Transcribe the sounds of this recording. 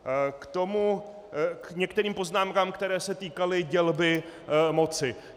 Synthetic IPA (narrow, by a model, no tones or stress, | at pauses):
kt̪o̞mu | kɲɛkt̪ɛɾiːmpo̞znaːmkaːmkt̪ɛɾɛːsɛt̪iːkalɪɟɛlbɪmo̞t͡sɪ